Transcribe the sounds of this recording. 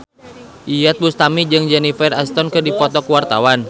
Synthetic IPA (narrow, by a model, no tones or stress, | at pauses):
ʔijat̪̚bust̪amid͡ʒɨŋd͡ʒɛnifɛrast̪ɔnkɨrdipɔt̪ɔkuwart̪a̰wan